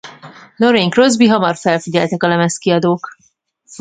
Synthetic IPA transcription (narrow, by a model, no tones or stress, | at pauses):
lo̞ɾeŋkrozbiɦɒmɒrfɛlfiɟɛlt̪ɛkɒlɛmɛskiɒd̪oːk